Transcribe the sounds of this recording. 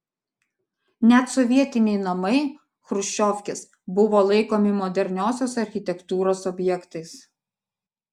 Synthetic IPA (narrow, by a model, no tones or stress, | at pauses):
nʲɛt̪sɔʋʲiɛt̪ʲɪnʲɛɪnɐmɐɪ | xɾʊʃʲt͡ʃʲoːfʲkʲɪs | bʊʋoːlˠɐɪkoːmʲɪmɔd̪ʲɛɾʲnʲoːsʲoːsɐɾʲxʲɪt̪ʲɛkt̪uːɾoːsɔbʲjɛkt̪ɐɪs